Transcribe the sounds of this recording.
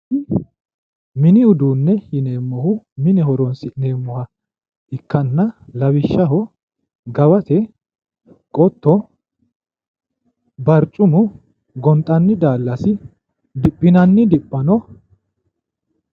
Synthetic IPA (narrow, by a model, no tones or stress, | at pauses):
mɪnɪʊd̪uːnːɛhɪne̞ːmːɔhʊ | mɪnɛhɔɾɔnsɪne̞ːmːɔhɐ | ʔɪkːɐnːɐlɐwɪʃːɐɦɔ | ɡɐbɐt̪ɛ | kʼɔt̪ːɔ | bɐɾt͡ʃʼʊmʊ | ɡɔnt̪ʼɐnːɪd̪aːlːɐsɪ | d̪ɪpʼːɪnɐnːɪd̪ɪpʼːɐnɔ